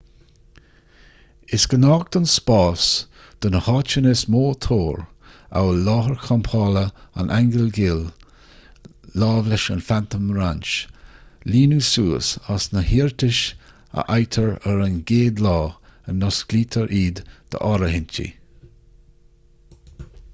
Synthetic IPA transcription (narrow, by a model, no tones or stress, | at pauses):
ɪsɡ̥ənɑːɡ̚d̪̥ɔnspɑːs | d̪̥ʊnəhɑːt͡ʃənɪsmoːt̪ʰoːɹ | a̰wlɑːɦəɹkʰɔmpʰɑːləa̰nʔaŋɡəlɡɪːl | lɑːvlɪʃanfant̪əmɾant͡ʃ | liːnusuːə̰sasnəhiːɹt̪ɪʃ | ə̰ʔajt̪ʰəɹəɾanɡeːd̪lɑːənːɔskliːt̪ʰəɹʔiːd̪d̪̥ə̰ʔɔɾəhɪntḭ